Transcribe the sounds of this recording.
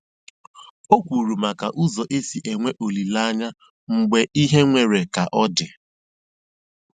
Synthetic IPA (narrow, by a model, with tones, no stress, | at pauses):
o˦kʷu˨ɾu˨ma˨ka̰˨ʔu˦zɔ˨ʔe˦si˨ʔe˨ŋʷe˦ʔo˨li˨la˦ɲa˦ | ŋ͡m̩˨ɡ͡be˦ʔi˦ɦe˦ŋʷe˨ɾe˨ka˨ʔɔ˦dɪ˨